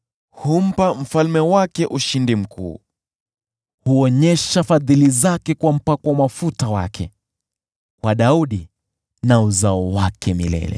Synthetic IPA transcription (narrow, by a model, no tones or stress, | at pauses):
hum̩pam̩falmɛwakɛʔuʃindim̩kʰṵː | huɔɲɛʃafaðilizakɛkwam̩pakɔwmafutawakʰɛ̰ | waɗauɗi | nauzaɔwakʰɛmilɛ̰lɛ̰